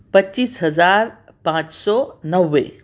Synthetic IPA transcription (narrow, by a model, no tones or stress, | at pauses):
pəɕiːsɦəd͡zaɾpãt͡ʃsɔnəwːḛ